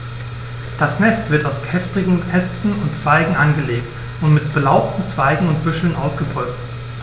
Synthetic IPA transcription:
d̥asnɛstv̥ɪɐtaʊskʰɛftɪɡŋ̩hʰɛstn̩ʊntt͡sv̥aɪɡŋ̩ʔanɡəleːkt | ʔʊntmɪtb̥əlaʊp̚tn̩t͡sv̥aɪɡŋ̩ʊntb̥ʏʃl̩nʔaʊsɡ̥əbʁɔt͡st

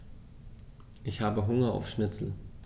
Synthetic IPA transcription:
ʔɪçhaːbəɦʊŋɐa̰ʊfʃnɪt͡sl̩

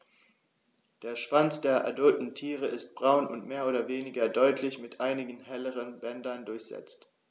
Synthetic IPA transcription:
d̥eːɐʃv̥ant͡sd̥eːɐʔa̰dʊltn̩tʰiːʁ̞əʔɪst̚b̥ʁaʊnʊ̰ntmeːɐʔoːdɐveːnɪɡɐdɔʏtʰlɪçmɪtʔaɪnɪɡŋ̩ɦɛləʁ̞ənbɛndɐndʊɐçz̥ɛ̰t͡st

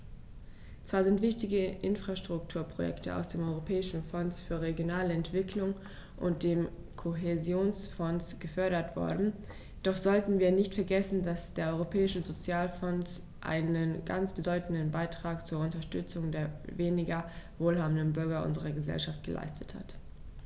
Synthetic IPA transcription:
t͡sv̥aːɐzɪntv̥ɪçtɪɡəʔɪnfʁ̥aʃtʁ̥ʊk̚tʰuːɐpʁ̥ojɛ̰ktʰəa̰ʊsd̥eːmʔɔʏʁopʰɛːɪʃn̩fɔnsfyːɐʁeɡjonaːləɛntv̥ɪkʰlʊŋ | ʔʊ̰nt̚d̥eːm | kʰoɦezjoːnsfɔnsɡ̥əfœɐɾɐtv̥ɔ̰ɐdn̩ | d̥ɔχz̥ɔltn̩viːɐnɪçtfɛɐɡɛsn̩dasd̥eːɐʔɔʏʁopʰɛːɪʃəzot͡sjaːlfɔns | ʔa̰ɪnənɡa̰nt͡sb̥ədɔʏtn̩dən̩baɪtʁ̥aːkt͡suːɐʊntɐʃtʏt͡sʊŋdeːɐveːnɪɡɐvoːlɦaːbn̩dənbʏɐɡɐʔʊ̰nzəʁɐɡəzɛ̰lʃaft̚ɡ̥əlʔa̰ɪstʰətha̰t

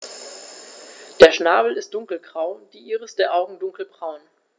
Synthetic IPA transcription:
d̥eːɐʃnaːbl̩ɪst̚d̥ʊŋkl̩ɡʁaʊd̥iːʔiːʁəsd̥eːɐʔaʊɡŋ̩dʊŋkl̩bʁaʊn

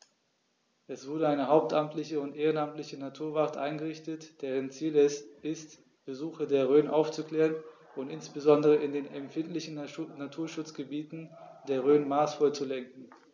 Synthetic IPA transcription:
ʔɛsv̥ʊɐdəaɪnəɦaʊp̚tʔamtlɪçəʊntʔeːʁ̞ənamtlɪçənatʰuːɐvatʔa̰ɪnɡəʁɪçtətd̥ɛːʁ̞ənt͡siːlɛsʔɪst | b̥əzuːxɐdeːɐʁøːnʔaʊft͡sukl̥ɛːʁən | ʊntʔɪnsb̥əzɔndəʁ̞əʔɪndeːnɛmfɪntlɪçn̩natʰuːɐʃʊt͡sɡ̥əbiːtn̩deːɐʁøːnmaːsfɔlt͡sulɛŋk̚ŋ̩

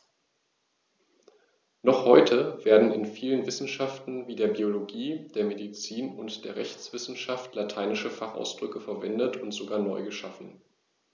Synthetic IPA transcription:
nɔχhɔʏtʰəv̥eːɐdn̩ɪ̰nfiːlənvɪsn̩ʃaftn̩viːdeːɐbioloɡiːd̥eːɐmedit͡siːnʊntd̥eːɐʁɛçt͡sv̥ɪsn̩ʃaftlatʰaɪnɪʃəfaχʔa̰ʊsd̥ʁʏkəfɛɐvɛndətʰʊntz̥oɡaːɐnɔʏɡəʃafn̩

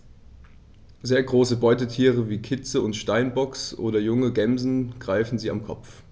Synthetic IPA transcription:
zeːɐɡʁoːsəbɔʏtətʰiːʁ̞əviːkʰɪt͡səʊntʃtaɪnbɔksʔo̰ːdɐjʊŋəɡɛmzn̩ɡ̥ʁaɪfn̩ziːa̰mkʰɔp͡f

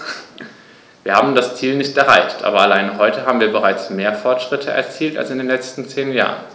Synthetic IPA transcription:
viːɐhaːbm̩dast͡siːlnɪçtʔɛɐʁa̰ɪçtʔa̰ːbɐalaɪnəɦɔʏtəɦaːbm̩viːɐbəʁaɪt͡smeːɐfɔɐtʃʁ̥ɪtʰəʔɛ̰ɐt͡siːlta̰lsɪndeːnlɛt͡stn̩t͡seːnja̰ːʁən

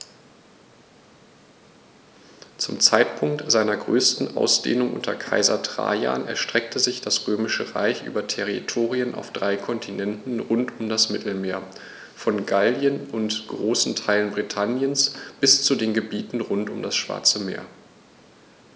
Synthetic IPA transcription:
t͡sʊmt͡saɪtpʰʊŋk̚tz̥aɪnɐɡʁøːstn̩ʔa̰ʊsd̥ḛːnʊŋʔʊ̰ntʰɐkʰa̰ɪzɐ̰tʁ̥a̰ːja̰ːnʔɛɐʃtʁ̥ɛk̚tʰəzɪçd̥asʁøːmɪʃəʁa̰ɪçʔy̰ːbɐtʰɛʁḭtʰoːʁiənʔa̰ʊfd̥ʁaɪkʰɔntʰinɛntn̩ʁʊntʊmdasmɪtl̩meːɐ | fɔnɡaldjənʊntɡ̥ʁoːsn̩tʰaɪlənbʁitʰanjənsb̥ɪst͡sudeːnɡəbiːtn̩ʁʊntʊmdasʃv̥a̰ɐt͡səmḛːɐ

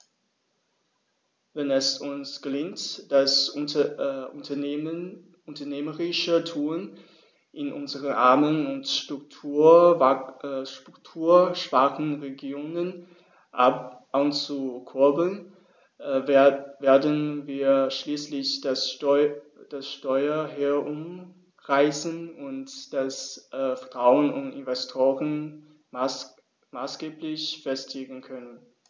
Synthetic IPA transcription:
vɛnɛsʊnsɡ̥əlɪŋtd̥as | ʊntɐ | ʊntɐneːməʁɪʃətʰuːn | ʔɪnʔʊnzəʁənʔa̰ɐmənʊntʃtʁ̥ʊk̚tʰuː | ʃtʁ̥ʊktʰuːɐʃv̥aɐkn̩ʁeɡjoːnən | ʔant͡sukʰʊɐbl̩n | veːɐdənviːɐʃliːslɪçd̥asɔd̥asʃtɔʏɐɦeːɐʔʊm | ʁaɪsənʊntd̥asʔːfʁ̥ʁ̥aʊənʊntɪ̰nvɛstʰoːʁən | maːsɡ̥eːplɪçfɛstʰleːɡŋ̩kʰœnən

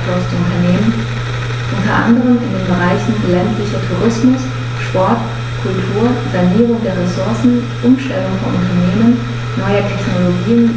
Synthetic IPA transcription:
lɔstəʊntɐneːmən | ʔʊntɐʔa̰ndəʁ̞əmɪndeːnbəʁaɪçn̩fyɐlɛntlɪçɐtʰuʁɪsmʊs | ʃpɔɐt | kʰʊltʰuːɐzaniːʁʊŋdeːɐʁesʊɐsn̩ | ʔʊmʃtɛlʊŋfɔnʔʊntɐneːmənː | ɔʏətʰɛçnoloɡiːən

